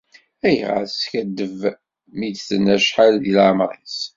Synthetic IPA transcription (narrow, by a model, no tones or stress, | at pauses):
æjʁa̰skæd̪ːəv | mid̪θənæʃħalilʕmɾˤis